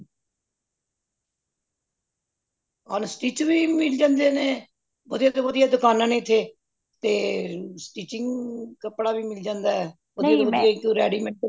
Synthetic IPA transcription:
əːnsʈiːt͡ʃʋiːmɪld͡ʒãːnd̪eːnẽː | ʋəd̪ijaːdt̪oːʋəd̪ijaːd̪ʊkaːnãːnẽːɪt̪ʰːeː | t̪eːsʈiːt͡ʃɪŋɡkəpɽaːʋiːmɪld͡ʒãːnd̪aːɛː | ʋəd̪ijaːʋəd̪ɪjaːkoːɾɛ̰ːɖiːmɛɳʈ

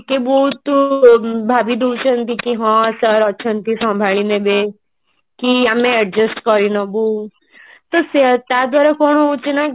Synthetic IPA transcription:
kebɔɦut̪ | bʱaːbid̪uːʃənt̪ikiɦɔ̃səɾɔtːʃʰənt̪isɔ̃mbʱaɭinẽbe | kiamẽɛɖd͡ʒesʈkɔɾinɔbu | t̪ɔset̪jad̪ʋaːɾakoːnut͡ʃina

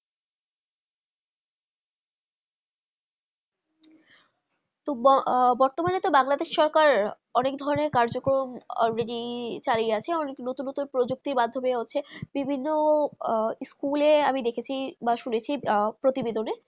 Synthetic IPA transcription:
t̪obbɔɾt̪omanet̪obaŋlad̪eʃʃɔɾkaɾ | ɔnek̚d̪ʱɔɾoneɾkaɾd͡ʑokɾomɔ̰ɾeɖit͡ɕaliat͡ɕʰeɔneknot̪unːot̪unpɾod͡ʑuk̚t̪iɾmad̪ʱːobeɦotːɕʰebibʱinːo | skuleamid̪ekʰet͡ɕʰibaʃunet͡ɕʰipɾot̪ibed̪ʱone

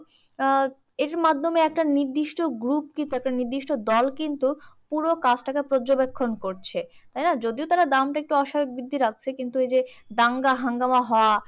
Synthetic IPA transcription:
eɾmad̪ʱːomeɛk̚ʈaniɾd̪iʃʈoɡɾup̚kint̪uɛk̚ʈaniɾd̪iʃʈod̪ɔlkint̪upuɾokat͡ɕʰʈakepɾod͡ʑobekʰːonkoɾt͡ɕʰet̪ajnad͡ʑod̪iot̪aɾad̪amʈaek̚ʈuɔʃabeɡ̚bid̪ʱːiɾak̚t͡ɕʰekint̪uejd͡ʑed̪aŋɡaɦaŋɡamaɦɔoa

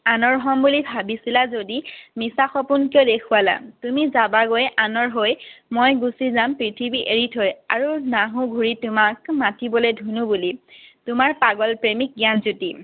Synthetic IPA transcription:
anɔɹɦɔmbulibʱabisilazodimisaxɔpunkiodekʰuala̰tumizabaɡojanɔɹɦojmojɡusizampɹitʰibiʔeɹitʰojaɹunaɦũɡʱuɹitʊmakmatibɔlojdʱunubulitʊmaɹpaɡɔlpɹemik̚ɡijanzuti

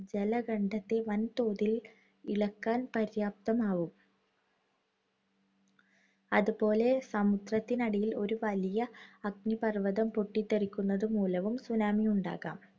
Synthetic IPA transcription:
d͡ʑelɐɡɐɳɖɐt̪ːe̞ʋɐnt̪o̞ːðil | iɭɐkːaːnpɐɾjaːp̚t̪ɐmaːʋum | ɐðupo̞ːle̞sɐmud̪rɐt̪ːinɐɽɐjilo̞ɾuʋɐlijɐɐɡ̚nipɐrʋɐðɐmpoʈːit̪ːɐrikʲːunːɐðɨmuːlɐʋumsunaːmijuɳɖa̰ːɣa̰ːm

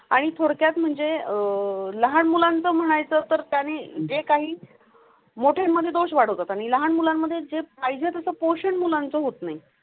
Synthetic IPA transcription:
a̰ɽ̃it̪ʰoɽkjat̪m̤əɳd͡zeələɦaɳmulant͡səːm̤əɽ̃ajt͡səːt̪əɾt̪janed͡zekaɦiː | moʈʰemmːəd̪ʱːjed̪oʂʋaɽ̤əʋt̪ət̪aɽ̃iləɦaɳmulamːəd̪ʱːjed͡zepajd͡zʱet̪əsəːpoɕəɳmulant͡səɦot̪nai

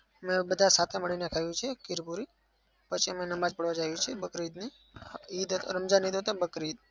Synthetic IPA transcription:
əmebəd̪ʱasat̪ʰeməɭinekʰajũt͡ʃʰekɪɾpuɾi | pət͡ʃʰiəmenəmad͡ʒpəɽʋad͡ʒajũt͡ʃʰebəkɾid̪ni | id̪ət̪ɾəmd͡ʒanid̪ɦət̪abəkɾid̪̚

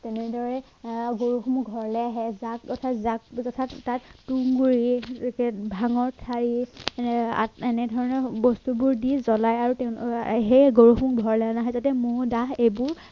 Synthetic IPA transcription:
tɛnɛdɔɹɛ | ɡoɹuxumuɡʱɔɹlɛaɦɛzak̚ɔtʰazak̚ɔtʰattattuŋɡuɹikɛbʱaŋɔɹtʰaɹi | a̰ɛnɛdʱɔɹɔnɔbɔstubuɹdizɔlajaɹutɛʊɦejɡoɹuxmukbʱɔɹlɛanaɦɛzatɛmʊdaɦejbʊɹ

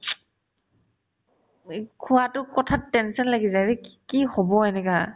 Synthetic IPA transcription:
kʰuwatʊkɔtʰatːɛnsɔnlaɡizadɛkihɔbɔɛnɛka

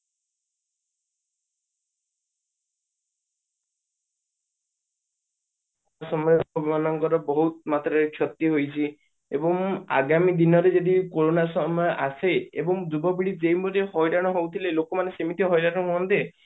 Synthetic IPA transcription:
asɔmɔjɔɔbimanɔŋkɔɾɔbɔɦut̪̚mat̪ɾɔet͡ʃʰɔt̪iɦojt͡ʃʰi | ebɔŋa̰ɡamid̪inɔɾed͡ʒed̪ikoɾonasɔmɔjɔʔaseḛbɔŋd͡ʒubɔbiɽid͡ʒejmuɾeɦɔjɾaɽ̃ɔɦowt̪ʰilelokɔmanesemit̪ʰiɦɔjɾaɽ̃ɔkɔɔnt̪e

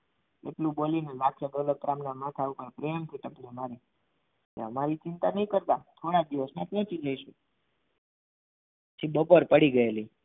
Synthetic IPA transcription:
ḛʈlũbolinelakʰjad̪olək̚ɾamnamat̪ʰaupəɾpɾejəmkʰiʈəplemaɾi | kḛɦəmaɾit͡ʃɪnt̪anəɦĩkəɾt̪at̪ʰoɽad̪iʋəsmapɔ̃t͡ʃid͡ʒəiʃũ | t͡ʃʰibəpoɾpəɽiɡəjeli

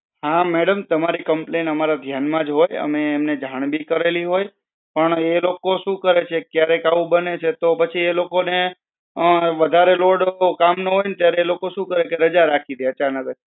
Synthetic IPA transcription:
hãmɛɽəmt̪əmaɾikəmplenəmaɾad̪ʱjanmãd͡ʒɦojə̰meːmned͡ʒʱaɽ̃bʱikəɾeliɦoj | pəɳelokoʃũkəɾet͡ʃʰekjaɾekaʋũbənet͡ʃʰet̪opət͡ʃʰielokone | əʋəd̪ʱaɾeloɖkamnəɦojnt̪jaɾeːlokoʃũkəɾekeɾəd͡ʒaɾakʰid̪eət͡ʃanəkd͡ʒʰ

